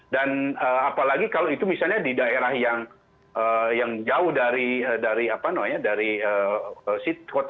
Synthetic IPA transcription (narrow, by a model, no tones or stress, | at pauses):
danəapalaɡikaloit̪umisalɲadidaeɾahjaŋ | əjaŋd͡ʒaʊhdaɾiədaɾiapanamaɲadaɾiəəsit̪̚kot̪